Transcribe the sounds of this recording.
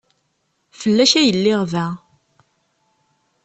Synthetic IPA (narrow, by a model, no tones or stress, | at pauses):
fəlːæʃæjəlːɪʁvæ